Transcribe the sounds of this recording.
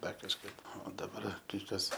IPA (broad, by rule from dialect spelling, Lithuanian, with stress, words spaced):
ˈdɐr kɐʃˈkɐɪp oː dɐˈbɐr kɐɪ ˈkɐs